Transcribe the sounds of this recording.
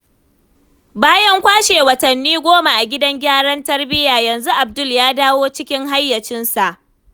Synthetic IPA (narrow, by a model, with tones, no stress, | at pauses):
baː˦jɐ˦ŋkʷaː˦ʃeː˨wɐ˨tɐ˨nːiː˦ɡʷoː˦ma˨ʔa˨ɡʲɪ˦dɐ˦ŋɡʲaː˦ɽɐ˦ntɐ˦rbɪ˦jaː˨jɐ˨nzu˦ʔa˨b̚dʊ˦ljaː˦daː˦woː˦t͡ʃɪ˦kʲɪ˦ŋɦa˦jːɐ˨t͡ʃɪ˦nsa˨ʔ